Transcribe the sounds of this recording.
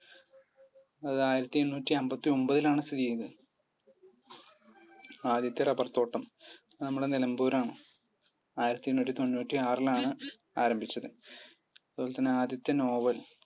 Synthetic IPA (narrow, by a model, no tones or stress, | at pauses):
ɐðɨaːjiɾɐt̪ːienːuːtːiɐmbɐt̪ːio̞mbɐðilaːɳɨst̪iðijɐðɨ | aːd̪jɐt̪ːjɐrɐbɐrt̪ːo̞ːʈːɐmɐðɨnɐmːuɽe̞nelɐmbuːɾaːɳɨ | aːjiɾɐt̪ːijenːuːtʲːit̪o̞nːuːtːiaːrilaːɳɨ | aːɾɐmbʱit͡ɕːɐðɨ | ɐðɨoːlt̪ːɐnːɨaːd̪jɐt̪ːɐno̞ːʋɐl